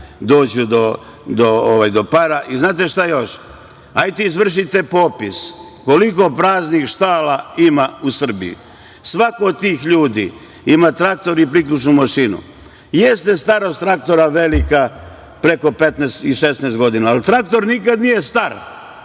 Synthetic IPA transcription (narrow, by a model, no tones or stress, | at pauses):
d̪o̞ːd͡ʑud̪o̞ | d̪ooʋajd̪o̞paɾaʔiznaːt̪e̞ʃt̪ajo̞ʃ | ajt̪iizʋr̩ʃ̬it̪epo̞pis | ko̞liko̞pɾaːznixʃt̪aːlaimausr̩bḭjṵ | sʋakoːd̪̚t̪iːxʎuːd̪ḭ | imat̪ɾak̚t̪o̞ɾipɾiklut͡ʃnumaʃinṵ | jest̪est̪aɾo̞st̪ɾak̚t̪o̞ɾaʋelika | pɾe̞ko̞pet̪nɛst̪iʃesnɛːst̪ɡo̞d̪inaːlt̪ɾak̚t̪o̞ɾnikad̪nijest̪aɾ